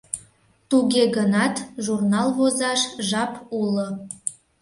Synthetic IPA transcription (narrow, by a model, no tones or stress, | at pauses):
t̪uɣeɣənɑt̪ʒurnɑlˠβozɑʃʒɑpulo